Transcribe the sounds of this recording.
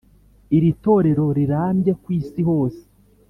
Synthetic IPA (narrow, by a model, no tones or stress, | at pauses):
iɾito̞ːɾe̞ɾo̞ɾiɾaːmɟe̞kwiːsiho̞ːse̥